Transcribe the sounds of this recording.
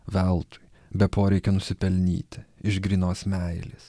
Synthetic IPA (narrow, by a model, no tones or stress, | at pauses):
ʋʲɛlˠt̪ʊ̥jbʲɛpʰoːɾʲɛɪkʲɛnʊsʲɪpʲɛlʲnʲḭːt̪ʲɪɪʃɡɾʲiːnoːsmʲæɪlʲḛs